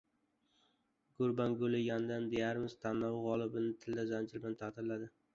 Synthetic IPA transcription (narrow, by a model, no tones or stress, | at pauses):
ɡʊɾbanɡolɪɡʲand̪and̪ejaɾmɪzt̪ʰanːɒwʁɒlˠɪbɪnɪt̪ʰɪld̪azand͡ʒɪlbɪnɪt̪ʰat̪ʰɪɾlad̪ɪ